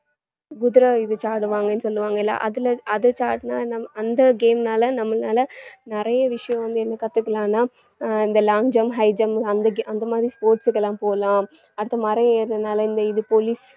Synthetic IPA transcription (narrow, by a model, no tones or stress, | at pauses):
ɡʊðɪɾɐɪðɯt͡ʃaːɾɽɯʋaːŋɡɐnːɯsɔlːɯʋaːŋɡɐɛlːa̰ːʔɐðɪlɐʔɐðɯt͡ʃaːɾʈnaːnɐɐnd̪ɐɡeːmnaːlɐnɐmːɐnaːlɐnɪɾɐjɐʋɪʂɐjɐ̃ʋɐnd̪ɯɛnːɐkɐt̪ːɯkːɐlãːnaː | ɪnd̪ɐlaːŋd͡ʒɐmɦɐɪd͡ʒɐmɐnd̪ɐɡʔɐnd̪ɐmaːðɾispoːɾʈsɯkːɛlːãːpoːlãː | ɐɽɯt̪ːɐmɐɾɐ̃eːɾðɐnaːlɐɪnd̪ɐɪðɯpoːlis